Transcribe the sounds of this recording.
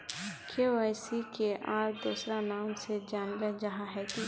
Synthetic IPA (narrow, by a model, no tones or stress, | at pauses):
kʰeʋaːɪsikeʔaːɾd̪uːsɾanaːmsed͡ʒaːnləd͡ʒaɦaɦɛki